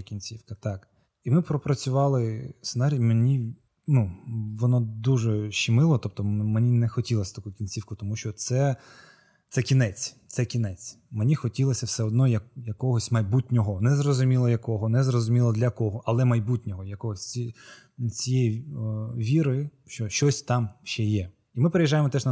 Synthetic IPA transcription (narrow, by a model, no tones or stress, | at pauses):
kʲinʲt͡sʲiwkɐt̪ɑk | imɪpɾɔpɾɐt͡sʲʊʋɑlˠɪsenɑɾʲijmenʲi | nuʋɔnɔd̪uʒɛʃimɪlˠɔt̪ɔp̚t̪ɔmenʲinɛxɔtʲilˠɐsʲɐt̪ɐkukʲinʲt͡sʲiwkʊt̪ɔmuʃt͡ʃɔt̪sɛ | t̪sɛkʲinɛt͡sʲt̪sɛkʲinɛt͡sʲ | menʲixɔtʲilˠɐsʲɐwsɛɔd̪nɔjɐkjɐkɔɦɔsʲmɐjbutʲnʲɔɦɔnɛzrɔzʊmʲilˠɔjɐkɔɦɔnɛzrɔzʊmʲilˠɔd̪lʲɐkɔɦɔʔɐlˠɛmɐjbutʲnʲɔɦɔjɐkɔɦɔsʲi | t͡sʲijɛjiʋʲiɾɪ | ʃt͡ʃɔʃt͡ʃɔsʲt̪ɑmʃt͡ʃɛjɛ | imɪpeɾejiʒajemɔt̪ɛʒnɐ